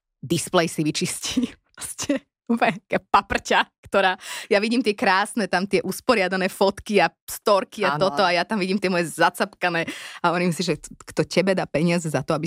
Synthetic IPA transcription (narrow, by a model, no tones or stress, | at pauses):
d̪isplɛjsiʋit͡ʃisciːpɾɔscʰɛ | upɛkɛpapr̩cakt̪ɔɾaːjaʋiɟiːmt̪ɪɛkɾaːsnɛt̪amt̪ɪɛʔuspɔɾɪad̪anɛːfɔt̪kiast̪ɔɾkiaɔt̪ɔajat̪amʋiɟimt̪ɪɛmɔjɛzat͡sapkanɛːaɔnimisiʒɛkt̪ɔcɛbɛd̪aːpɛɲɪazɛzat̪ɔabi